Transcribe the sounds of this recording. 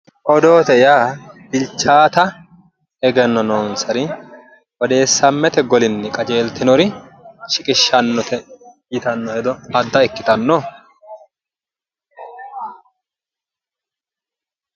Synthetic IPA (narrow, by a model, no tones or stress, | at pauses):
ʔɔd̪o̞ːt̪ɛjaːb̥ɪlt͡ʃːaːt̪ɐ | ɛɡɛnːɔnoːnsɐɾɪ | ʔɔd̪e̞ːsːɐmːɛt̪ɛɡɔlɪnːɛkʼɐd͡ʒe̞ːlt̪ɪnɔɾɪ | ʃɪkʼɪʃːɐnːɔt̪ɛjɪt̪ɐnːɔhɛd̪ɔɐd̪ːɐɛkːɪt̪ɐnːɔ